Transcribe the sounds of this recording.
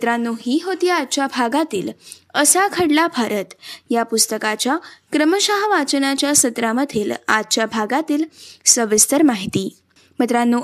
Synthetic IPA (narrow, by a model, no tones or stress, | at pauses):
t̪ɾanːuːɦiːɦot̪iad̪̚t͡ɕabʱaɡat̪ḭːləsakʰəɽlabʱaɾət̪japust̪əkat͡ɕjakɾəməɕaɦʋat͡ɕənat͡ɕjasət̪ɾaməd̪ʱiːla̰d̪̚t͡ɕjabʱaɡat̪iːlsəʋist̪əɾmaɦit̪iː | mət̪ɾanːu